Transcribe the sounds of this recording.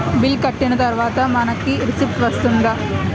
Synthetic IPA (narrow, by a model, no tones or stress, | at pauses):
bɪlkɐʈːɪnɐt̪ɐɾʋaːt̪ɐmɐnɐkːiɾɪsip̚ʈʋɐst̪ɯnd̪ɐ